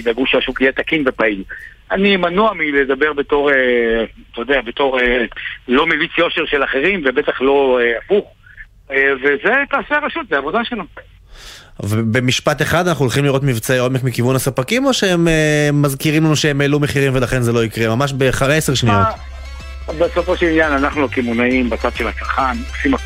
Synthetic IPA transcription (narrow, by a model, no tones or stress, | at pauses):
baɡuʃaʃukiat̪akinvepail | animanuamiled̪abeʁbet̪o̞ʁet̪ojd̪eabet̪oʁelo̞mevit͡sjo̞ʃeʁʃelaχeʁimvebet̪aχlo̞eafuχ | evezet̪aːseaʁaʃut̪zeavo̞d̪aʃela | vebe̞miʃpat̪e̞χad̪anaχnuːlχimliʁo̞t̪mivt͡seo̞me̞kmikivunhasapakimo̞ʃeemeːazkiʁimlanuʃeemelume̞χiʁimve̞laχe̞nzelo̞ikʁe̞mamaʃ̬beχaese̞ʁʃnio | beso̞fo̞ʃelinjananaχnulokimonaimbat͡sad̪ʃelhat͡salχanosima